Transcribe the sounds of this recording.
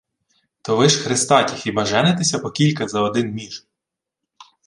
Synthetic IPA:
t̪ɔʋɪʃxɾɪst̪ɑtʲixibɐʒɛnet̪ɪsʲɐpɔkʲilʲkɐzɐɔd̪ɪnmʲiʒ

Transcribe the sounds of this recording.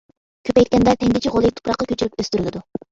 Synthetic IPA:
kʲʰøpɛjt̪̚ʲkʲɛnd̪ɛt̪ʰɛŋɡʲit͡ʃʰiʁolˠɨt̪ʰu̥pɾɑqːɑkʲʰøt͡ʃʰyɾypøst̪yɾɡʲɪd̪u

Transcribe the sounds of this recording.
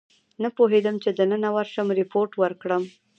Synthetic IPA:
napoɦed̪əmt͡ʃed̪ənənawaɾʃəmɾɪpoɾʈwəɾkɽəm

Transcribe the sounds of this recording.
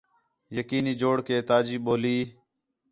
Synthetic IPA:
jəkiːniːd͡ʒoːɽkeːt̪aːd͡ʒiːɓoːliː

